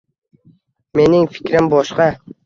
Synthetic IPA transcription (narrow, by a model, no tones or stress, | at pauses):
me̞nɪŋfɪ̥kʲɾɪmbɒʃqɑ